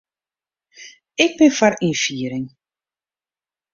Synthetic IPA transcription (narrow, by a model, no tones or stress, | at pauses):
ɪk̚bɪnfaɾifiəɾɪŋ